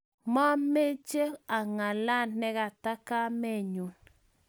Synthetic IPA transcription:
ma˦me˦t͡ʃe˦a˨ŋa˨la˦˨nːɛ˦ɡa˨ta˦ka˦me˦˨ɲu˨n

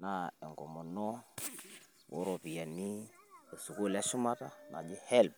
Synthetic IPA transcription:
na˦e˨ŋɡo˨mo˨nɔ˦ | wo̰˦ɾo˨pi˨ja˨ni˦e˨su˨ku˦˨lɛ˦ʃu˦ma˦ta˦na̰˨d͡ʒi˦hɛ˦lb̚

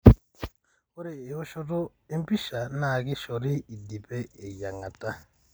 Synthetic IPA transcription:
o˦ɾeː˨ho˦ʃɔ˦to˦ | e˦mpi˦ʃa˨na˨ki˦ʃo˨ɾi˦i˨di˨peː˦˨ja˨ŋa˨ta˦

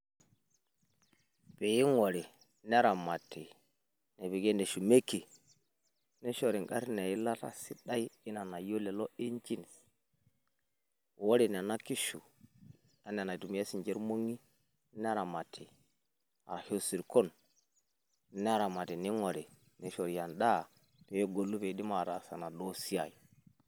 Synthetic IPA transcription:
pe˨ji˦ŋo˨ɾe˨ | ne˦ɾa˨ma˨tʰːi˨ | ne˨be˨ɡe˦nde˨ʃu˨me˦kːe˨ | ne˦ʃo˨ɾi˨ŋɡa˦ɾna˨ji˦la˦ta̰˦si˦ɗa˦i˦i˦na˨na˨jo˦le˨lo˦i˦nt͡ʃi˦n˨s | wo˦ɾe˨n˨na˦ki˦ʃṵ˨ | a˨n˦a˨na˨tu˨m˨˦e˦si˨nd͡ʒe˦ɾmo˦ŋi˦ | n˦a˦ɾa˨ma˨tʰi˨ | a̰˨ɾa˨ho˦si˨ɾko˦n˦ | ne˦a˦ɾa˨ma˨ti˨ni˦ŋo˨ɾe˨ | ne˨ʃo˨ɾja˨nɗa˦˨ | to˨jo˦ɡo˨lːu˦pe˨di˦ma˨ɾa̰˨sa˨na˨ɗo˦si˦a̰˨jo˨

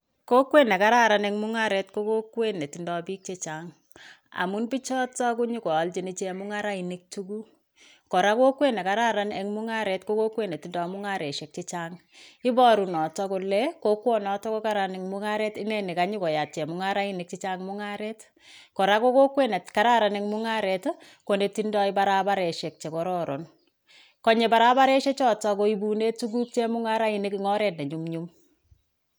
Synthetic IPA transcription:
ko˦kwe˦nɛ˨ka˦ɾa˦ɾa˨nɛ˦ŋmʊ˦ŋa˦ɾe˨tko˦ko˦kwe˦ne˨ti˨ndɔ˨bi˦k̚t͡ʃe˦t͡ʃaŋ | a̰˨mu˦nbi˦t͡ʃɔ˦tɔ˦k̬u˦ɲi˦kɔ˨lt͡ʃi˨ni˦t͡ʃe˦mʊ˦ŋa˦ɾa˦i˨ni˦k̚tu˦ku˦ | kɔ˨ɾa˦ko˦kwe˦ne˨ka˨ɾa˦ɾa˦ne˦ŋmu˦ŋa˦ɾe˨tko˦ko˦kwe˦ne˨ti˨ndɔ˨mʊ˦ŋa˦ɾe˨ʃe˨k̚t͡ʃe˦t͡ʃa˦ŋ | i˦bɔ˦ɾu˨nɔ˨tɔ˦ko˧lɛ˦ko˦kwɔ˦nɔ˨tɔ˦ko˦ka˦ɾa˨nɪ˨ŋmʊ˦ŋa˦ɾe˦tɪ˦ŋɛ˦ni˨ka˦ɲi˦ko˨ja˨t̚t͡ʃe˨mʊ˦ŋa˦ɾa˦i˦ni˨k̚t͡ʃi˦t͡ʃa˦ŋmʊ˦ŋa˦ɾe˦t | ko˨ɾa˦ko˦ko˦kwe˦ne˨tka˦ɾa˦ɾa˨ne˦ŋmʊ˦ŋa˦ɾe˨t | ko˨ne˨ti˦ndɔ˦ɪ˦baɾa˦ba˦ɾe˨ʃe˨k̚t͡ʃe˨kɔ˨˦ɾɔ˦ɾo˨n | kɔ˦ɲe˨ba˨ɾa˦ba˦ɾe˦ʃe˦t͡ʃɔ˦tɔ˦ko˨i˨bu˨ne˦tu˦ɡu˦k̚t͡ʃe˦mʊ˦ŋa˦ɾa˦i˨nɪ˦kiŋɔ˦ɾe˨tnɛ˨ɲu˦mɲu˦m

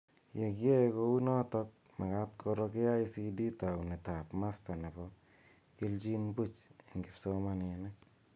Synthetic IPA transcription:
je˨kje˦ko˧wu˦nɔ˦tɔ˦k̚ | ma˨ka˦tkʰɔ˧ɾɔ˧kɪ˦a˦isi˧di˦ta˨wni˨ta˨pma˦sta˨ne˨pɔ˦ | kɪ˦ld͡ʒi˦nbu˦t͡ʃɪ˨ŋɡɪ˨psɔ˦mane˨nɛ˦k̚

